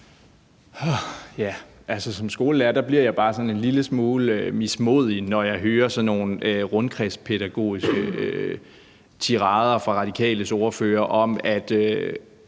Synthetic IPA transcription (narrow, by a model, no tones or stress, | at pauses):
hɒjæ | ʔælsəsɒ̽msɡ̥o̝ːləlæɐd̥æbliɐ̰jɑ̈ɪb̥ɑ̈ːsɒ̽ne̝nliləsmoːləømismo̝ð̰ˠinɒjɑ̈ɪɦøːɐsɒ̽nːo̝ːnøʁɔ̽nkʰʁɛspʰe̝ɾ̥æɡ̥o̝̰ːisɡ̥əø | t͡sʰiʁɑ̈ð̞ˠɐfʁɑ̈ʁɑ̈d̥ikʰɛ̰ːləsɒʊɐfø̰ːɐʔɒ̽m̰æd̥ø